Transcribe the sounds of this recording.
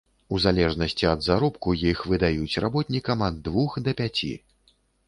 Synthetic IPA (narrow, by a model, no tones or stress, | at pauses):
uzalʲɛʐnɐsʲt͡sʲiɐd̪zaɾɔpkujixvɨd̪ajut͡sʲrabɔt̪nʲikɐmɐd̪ːvuxd̪ɐpʲat͡sʲḭ